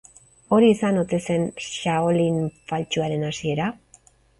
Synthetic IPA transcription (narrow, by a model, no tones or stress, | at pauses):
o̞ɾiːsanot̪e̞se̞nʃaolinfalt͡ʃuaɾe̞nasie̞ɾa